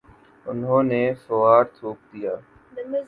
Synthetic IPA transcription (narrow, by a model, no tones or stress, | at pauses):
ʊnɦõːnefʊʋaːɾt̪ʰoːk̚d̪ijaː